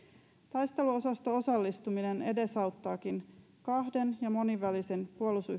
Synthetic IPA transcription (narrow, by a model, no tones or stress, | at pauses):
t̪ɑjst̪e̞luo̞sɑst̪o̞o̞sɑlːist̪umine̞ne̞de̞sɑwt̪ːɑːkin | kɑhde̞njɑmo̞niʋælise̞npuolusy